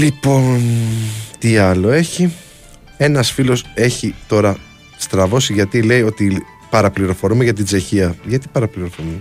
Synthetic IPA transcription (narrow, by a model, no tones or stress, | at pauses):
lipo̞nt̪iɐlo̞e̞çi | e̞nɐsfilo̞se̞çit̪o̞ɾɐ | st̪ɾɐvo̞siʝɐt̪ile̞io̞t̪i | pɐɾɐpliɾo̞fo̞ɾumeʝɐt̪̬ind͡ze̞çiɐʝɐt̪ipɐɾɐpliɾo̞fo̞ɾume